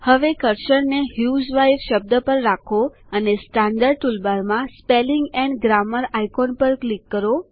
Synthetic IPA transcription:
həʋekəɾʃəɽneɦjud͡ʒʋajfʃəb̚d̪əpəɾːakʰo | ənesʈãɳɖəɾɖʈulbaɾmãspeliŋɡɛ̃ɳɡɾaməɾajkonpəɾklikːəɾo

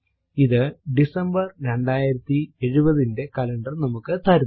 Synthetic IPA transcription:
iðɨɖisɐmbɐrɾe̞ɳɖaːjiɾɐt̪ːieɻubɐðinde̞kɐlɐɳɖɐrnɐmukːɨt̪ʰɐɾ

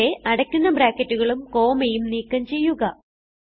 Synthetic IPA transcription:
eʔɐɽɐkʲːunːɐbɾaːkːɐtːuɣɐɭumko̞ːmɐjumniːkːɐmt͡ɕe̞jːuɣɐ

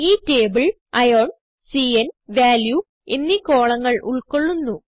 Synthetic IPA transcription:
iːteːbɨɭ | ɐjoːɳ | siːɐnʋaːlju | enːiko̞ːɭɐŋːɐɭʔuɭko̞ɭːunːu

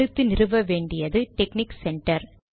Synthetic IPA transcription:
ɯt̪ːɯnɪrɯʋɐʋeːɳɖɪjɐðɯʈɛkniksɛɳʈɐɾ

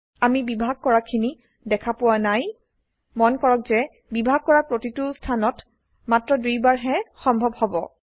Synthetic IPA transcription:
amibibʱaɡ̚kɔɹakʰini | dɛkʰapʊwanaj | mɔnkɔɹɔk̚zɛ | bibʱaɡ̚kɔɹapɹotitʊstʰanɔt | matɹɔdujbaɹɦɛxɔmbʱɔbhɔbɔ

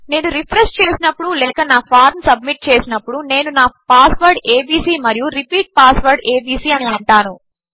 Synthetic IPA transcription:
ne̞ːnuɾipʰɾesʈ̚t͡ʃe̞ːsinɐpːuɽulɛːkɐnaːpʰaːɾmsɐbmiʈ̚t͡ʃe̞ːsinɐpːuɽune̞ːnunaːpaːsʋɐɾɖe̞ːbiːsiːmɐɾijuɾipiːʈ̚paːsʋɐɾɖeːbiːsiːɐniɐɳʈaːnu

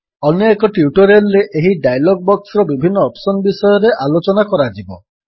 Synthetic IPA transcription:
ɔnekɔʈiuʈɔɾelːeʔeɦiɖajlɔɡ̚bɔksɾɔbibʱinːɔːpsɔnbisɔjɔɾeʔalot͡ʃɔnakɔɾad͡ʒibɔ̰

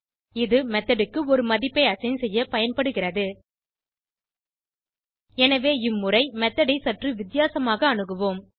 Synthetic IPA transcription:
ɪðɯmɛt̪ːɐɽɯkːɯɔɾɯmɐðɪpːɐɪɐsɐnsɛjːɐpɐjɐnpɐɽɯɣɪrɐðɯ | ɛnɐʋeːɪmːɯrɐɪmɛt̪ːɐɽɪsɐʈrɯʋɪt̪ːɪjaːsɐmaːɣɐːɳɯɣɯʋoːm

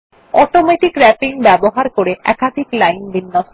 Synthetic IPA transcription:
ɔʈomeʈikɾɛpiŋbɛboɦaɾkoɾeʔɛ̰kad̪ʱiklajnbinːɔʃ

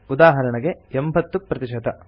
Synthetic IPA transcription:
ud̪aːɦɐɾɐɳɐɡeembʱɐt̪ːupɾɐt̪iʃɐd̪ɐ

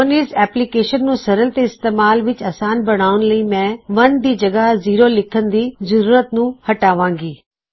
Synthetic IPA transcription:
oːniːzɛːplikeːʃənːũːsɐɾəlt̪eɪst̪eːmaːlʋɪt͡ʃɐːsaːnbɐɽ̤̃aːʋʊnləiːmẽʋɐnd̪iːd͡ʑɐɡaziːɾolɪkʰə̃nd̪iːzɐɾuːɾət̪nũhɐʈaːʋãːŋɡiː

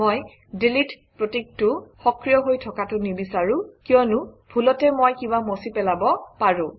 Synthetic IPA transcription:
oj | delit | pɹotik̚tʊxɔkɹijɔɦojtʰɔkatʊnibisaɹʊkijɔnʊbʱulɔtɛmojkibamosipɛlabɔpaɹʊ̃

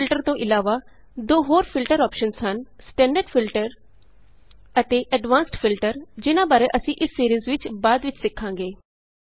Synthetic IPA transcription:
ɪlʈəɾt̪õːʔɪlaːʋaː | d̪oːɦoːɾpʰɪlʈəɾɔːpʃənshənsʈɛ̃ːɳɖəɖpʰɪlʈəɾ | ət̪eːʔəɖʋãːnsʈpʰɪlʈəɾd͡ʒɪnãːbaːɾeːʔəsĩːʔɪsːiːɾiːzʋɪt͡ʃbaːd̪ʋɪt͡ʃsɪkʰːãːŋɡeː

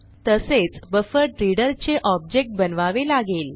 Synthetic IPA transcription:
t̪əset͡sbəfəɾʈɾiɽəɾt͡ɕeʔɔb̚d͡ʑek̚ʈ̚bənʋaʋelaɡel

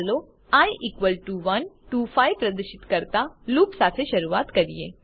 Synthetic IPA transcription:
lo | ajʔikʋəlʈuʋən | ʈufajpɾəd̪əɾʃit̪kəɾt̪aluːpsat̪ʰeɕəɾuʋat̪kəɾijḛ

